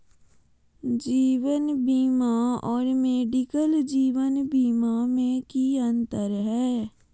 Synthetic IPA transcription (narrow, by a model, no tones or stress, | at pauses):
d͡ʒiːʋənbiːmaɔːɾmeːɖɪkəld͡ʒiːʋənbiːmamẽkiə̃nt̪əɾɦɛː